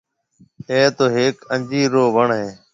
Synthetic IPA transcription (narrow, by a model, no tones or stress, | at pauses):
ẽːt̪oːɦeːkəɲd͡ʒiːɾoːʋəɳɦẽː